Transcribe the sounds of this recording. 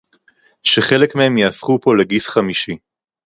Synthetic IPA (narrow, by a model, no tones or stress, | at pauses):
ʃeχe̞lekmehe̞mjeafχupo̞leɡisχamiʃi